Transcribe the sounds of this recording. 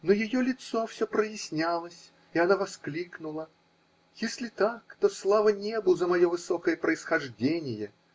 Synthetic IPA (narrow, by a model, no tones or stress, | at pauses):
nojɪjolʲɪt̪sofsʲɵpɾəjɪsʲnʲalˠəsʲ | iɐnavɐsklʲiknʊlˠə | jesʲlʲɪt̪akt̪oslˠavənʲebɨlˠzəmɐjovɨsokəjəpɾəɪsxɐʐdʲenʲɪjə